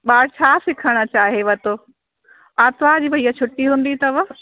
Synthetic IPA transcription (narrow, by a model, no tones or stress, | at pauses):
ɓaːɽt͡ɕʰaːsɪkʰəɽ̃ə̆t͡ɕaːɦeʋɐt̪oː | aːt̪ʋaːd͡ʑiːbɐiːat͡ɕʰʊʈːiɦũːn̆d̪it̪ɐʋə